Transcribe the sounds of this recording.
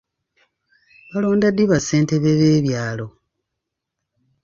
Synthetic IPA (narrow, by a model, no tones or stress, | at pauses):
βalo̞ːndadiβase̞ːnteβeβeːβjaːlo̞